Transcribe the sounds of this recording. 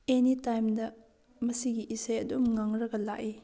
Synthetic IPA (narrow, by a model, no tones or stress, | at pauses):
enitajmdɐ | mɐsiɡiʔːsajɐdumŋaŋɾɐɡɐlaki